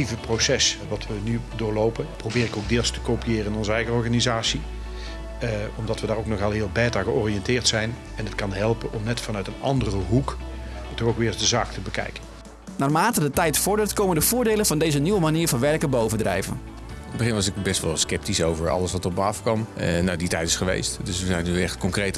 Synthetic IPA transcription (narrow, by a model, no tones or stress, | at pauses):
ivəprowsɛsʋɑtʋənydʊːɹlowpənprowbɪːɾɪkowɡ̚dɪːlˠstə̥kowpijɪːrəɪnɔnzəɛjɣəɔɹɣanizaːsi | ɔmdɑtʋədaːrowknɔxɑlˠɦɪːlˠbɛːtəɹɣəɔriɛntɪːɹtsɛjn | ɛnətkɑnɦɛlˠpənɔmnɛtfɑnœɥtənɑ̰ndərəɦuktɔɣowkʋɪːɹzdəzaːktəbəkɛ̰jkən | naːrmaːtədətɛjtfɔɹdəɹtkowməndəv̥ʊːɹdejlənvɑndejzəniʋəmaniːɹvɑnʋɛrkəbowvəndrɛ̰jvə̰n | nəbəχɪnʋɑs̬ɪkbɛstʋɑ̰lˠskɛp̚tisowvəɹɑ̰ləsʋɑtɔp̚məɑfkɑmnaditɛjtɪ̥sχəʋḛjstdøsʋəzɛjnyɛχtkɔŋkrejt